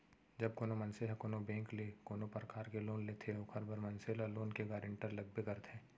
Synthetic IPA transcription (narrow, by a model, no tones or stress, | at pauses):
d͡ʒɐb̚koːnomɐnseɦakoːnobɛ̃ːŋklekoːnopɾəkaːɾkeloːnlet̪ʰeokʰəɾbəɾmɐnselaloːnkeɡaːɾɪ̃ɳʈəɾlɐɡ̚bekɐɾt̪ʰẽː